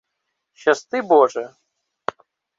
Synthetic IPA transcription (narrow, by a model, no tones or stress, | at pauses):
ɕast̪ɨbɔʐɛ